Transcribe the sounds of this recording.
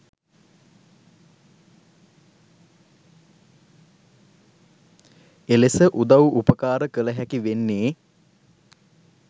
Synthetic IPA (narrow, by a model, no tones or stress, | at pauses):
elesəʔud̪awʔupəkaːɾəkələɦækiʋenːeː